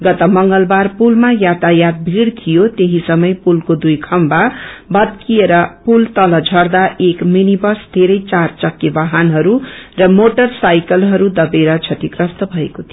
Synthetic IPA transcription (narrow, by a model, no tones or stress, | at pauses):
ɡʌt̪ʌmʌŋɡʌlbarpulmajat̪ajat̪̚bʱiɽt̪ʰijot̪eɦisʌmʌjpulkod̪ujkʰʌmbabʌd̪kieɾʌpult̪ʌlʌd͡zʱʌrd̪aʔekminibʌsd̪ʱeɾʌjt͡sart͡sʌkːebaɦanɦʌɾurʌmoʈʌrsajkʌlɦʌɾud̪ʌbeɾʌt͡sʰʌt̪ikrʌst̪ʌbʱʌekot̪ʰi